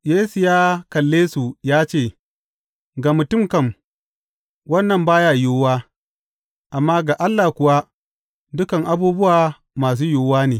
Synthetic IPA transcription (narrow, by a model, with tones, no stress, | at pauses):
jeː˦su˨jaː˦kɐ˨lːeː˦su˨jaː˦t͡ʃeː˦˨ | ɡa˨mʊ˨tʊ˦mkɐ˨m | wɐ˦nːɐ˨mbaː˦jaː˨joː˦waː˦ | ʔa˨mːaː˦ɡa˨ʔa˦lːa˨kʷʊ˨wa˦ | dʊ˦kɐ˨ŋʔa˦buː˦bʊ˦waː˨ | maː˨s̬uː˦joː˨waː˦neː˨